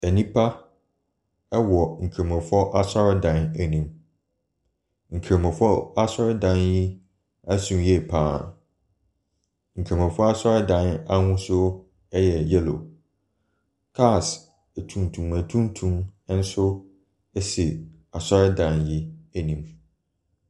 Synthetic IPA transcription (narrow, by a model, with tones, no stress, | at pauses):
æ˨nĩ˦pʰa˦ | ɛ˦wɔ˨ŋ̩˨kʰe˨mɛ̃˨fɔ˦ʔa˦sɔ˦ɾɪ˦dã˨næ˨nĩ˨m | ŋ̩˨kʰe˨mɛ̃˨fɔ˦a˦sɔ˦ɾɪ˦dã˨nji˦ | æ˦sũ˨mjɛ˦˨pʰaː˦˨ | ŋ̩˨kʰe˨mɛ̃˨fɔ˦a˦sɔ˦ɾɪ˦dã˨˦na˦hʊ̃˦sʊ˦ | ɛ˦jɛ˨jɛ˦lo̰˨ | kʰa˦˨s | æ˨tʰũ˨n˨tʰũ˨mæ˨tʰũ˦n˦tʰũ˦m˦n̩˦sʊ˦ | ɛ˦sɪ˨ | a˨sɔ˦ɾɪ˦dã˨nji˦æ˨nĩ˨m